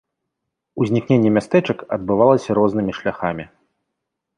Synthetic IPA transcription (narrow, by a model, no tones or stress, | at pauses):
uzʲnʲiknʲenʲːɛmʲast̪ɛt͡ʂɐkɐ̰d̪̚bɨvalˠɐsʲɐɾɔznɨmʲiʂlʲaxamʲi